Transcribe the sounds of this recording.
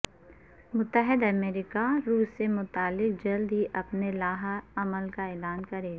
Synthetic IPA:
mʊt̪ːəɦɪd̪ɐmɛːɾɪkaɾuːsːemʊt̪aːlːɪq̚d͡ʒɐld̪ɦiʔɐpnelaːɦɐməlkaeːlaːnkɐɾeː

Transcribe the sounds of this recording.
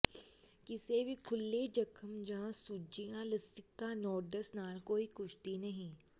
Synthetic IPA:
kɪsebʱikʰʊlːed͡ʒɐkʰəmd͡ʒaãsud͡ʒijãlɐsɪkːanɔːɾd̪əsnaːlkoːikʊʃt̪inɐɦĩ

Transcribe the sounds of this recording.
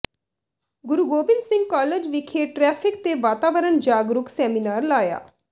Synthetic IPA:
ɡʊɾuːɡoːbɪnsɪ̃ŋɡ̚kaːləd͡ʒʋɪkʰeːʈɾɛːpʰɪk̚t̪eːʋaːt̪aːʋəɾənd͡ʒaːɡɾʊksɛːminaːɾlaːja̰ː

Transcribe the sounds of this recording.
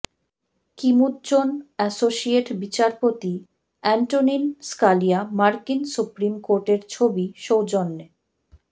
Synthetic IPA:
kimut̪t͡ɕonɛsoʃieʈbit͡ɕaɾpot̪i | ɛɳʈoninskalijamaɾkinsupɾimkoɾʈeɾt͡ɕʰobiʃowd͡ʑonːe

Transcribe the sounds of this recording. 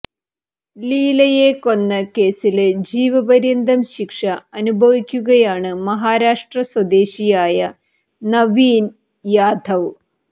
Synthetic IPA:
liːlɐjeko̞nːɐke̞ːsiled͡ʑiːʋɐbɐɾind̪ʱɐmɕikʂɐɐnubʱɐʋikʲːuɣɐjaːɳɨmɐɦaːɾaːʂʈrɐswɐd̪eːɕijaːjɐ | nɐʋiːn | jaːd̪ʱɐʋ

